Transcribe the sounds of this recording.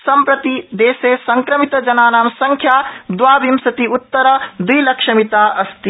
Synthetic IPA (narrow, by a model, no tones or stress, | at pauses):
sɐmpɾɐt̪id̪eːsesɐŋkɾɐmit̪d͡ʒɐnaːnaːmsɐŋkʰjad̪waːbimsɐt̪iut̪ːəɾəd̪uilɐkʃɐmit̪aʔɐst̪i